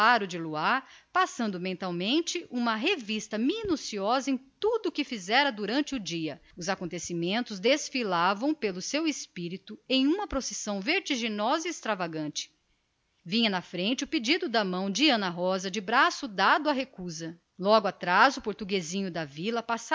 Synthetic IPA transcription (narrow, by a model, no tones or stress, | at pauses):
aɾʊd͡ʒɪluaɾpasɐ̃nd̪ʊmẽnt̪awmẽnt͡ʃɪʔũmɐɦevist̪ɐminusiɔzɐẽj̃t̪ud̪ʊkɪfizɛɾɐd̪uɾɐ̃nt͡ʃɪʊd͡ʒiɐʊzakõt̪esimẽnt̪ʊzd̪esfilavɐ̃w̃pelʊsewespiɾit̪ʊẽj̃ũmɐpɾosesɐ̃w̃veɾt͡ʃiʒinɔzɐiːst̪ɾavaɡɐ̃nt͡ʃɪ̥ | vĩɲɐnɐfɾẽnt͡ʃɪʊped͡ʒid̪ʊd̪ɐmɐ̃w̃d͡ʒiɐ̃nɐɦɔzɐd͡ʒɪbɾasʊd̪ad̪ʊɐɦekuzɐ | lɔɡʊat̪ɾazʊpoɾt̪uɡezĩɲʊd̪ɐvilɐpasa